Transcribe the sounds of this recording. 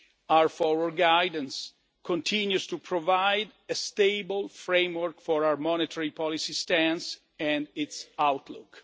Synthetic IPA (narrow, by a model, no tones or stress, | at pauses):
awəɹfɔɹwəɹɡajdə̃ns | kʰɔ̃nt̪ʰĩnjust̪upʰɹɔvajdəst̪eɪbəlfɹẽmwəɹkfɔɹawəɹmɔnet̪ʰəɹipʰɔlisist̪æ̃ns | ɛ̃nitsawt̪ʰlʊ̰k